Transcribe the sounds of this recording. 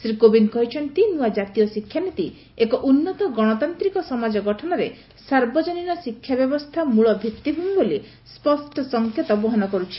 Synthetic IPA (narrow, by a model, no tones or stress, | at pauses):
sɾikobinkɔɦit͡ʃʰɔnt̪inuad͡ʒat̪ijɔsikʰːjanit̪i | ekɔʔunːɔt̪ɔɡɔɽ̃ɔt̪ant̪ɾikɔsɔmad͡ʒɔɡɔʈʰɔnɔɾe | saɾbɔd͡ʒɔninɔsikʰːjabjɔbɔst̪ʰamuɭɔbʱit̪ːibʱubiboli | spɔsʈʰɔsɔŋkʰjɔt̪ɔbɔɦɔnɔkɔɾut͡ʃʰi̥